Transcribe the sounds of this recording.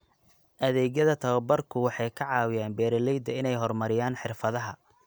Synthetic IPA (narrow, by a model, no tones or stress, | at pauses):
ʔɐðɛːɣjɐðɐt̪ʰɐβɐbɐrkʰʊwɑħɑjkʰɐʕɑːwɪjaːnbɛːɾɐlɛjd̪ɐɪnɛjɦɔrmɐɾɪjaːnħɪrfɐðɐɦɐ